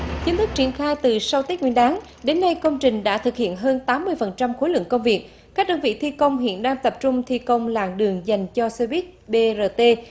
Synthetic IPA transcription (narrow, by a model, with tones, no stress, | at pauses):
t͡ɕi˨˦nt̪ɨ˦˥k̚t͡ɕi˧˩ənxaː˧jt̪ɨ˨˩sa˧wt̪i˦˥k̚wi˧˨ənʔaː˨˦ŋ | ɗe˨˦nːa˧jkə˧wŋ͡mt͡ɕï˨˩ŋ̟ɗa̰ː˧˥t̪ʰɨ˨˩k̚hḭ˧˨ənɦəː˧nt̪aː˨˦mːɨ˧əjfə˨˩nt͡ɕa˧mxo˨˦jlɨ̰˧˨əŋkə˧wŋ͡mvi˨˩ək̚ | kaː˦˥k̚ɗə˧nvḭ˧˨t̪ʰi˧kə˧wŋ͡mɦḭ˧˨ənɗaː˧ŋt̪ə˨˩p̚t͡ɕʊ˧ŋ͡mt̪ʰi˧kə˧wŋ͡mla̰ː˧˨ŋɗɨ˨˩əŋza˨˩jŋ̟t͡ɕɔ˧se˧vi˦˥t̚ɓe˧zəː˧t̪e˧